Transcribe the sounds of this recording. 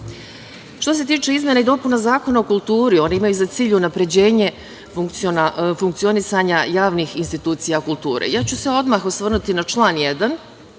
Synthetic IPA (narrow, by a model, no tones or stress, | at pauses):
ʃt̪o̞s̬e̞t̪iːt͡ʃe̞izmje̞naid̪o̞punazaːko̞nao̞kulˠt̪uːɾio̞neimajuzat̪siːʎunapɾe̞d͡ʑe̞ːɲe̞ | fuŋknafuŋk̚t̪sio̞nisaɲajaːʋnixinst̪it̪uːt̪sijakulˠt̪uːɾḛjaːt͡ɕuseo̞d̪maxosʋr̩nut̪inat͡ʃlˠaːnjed̪an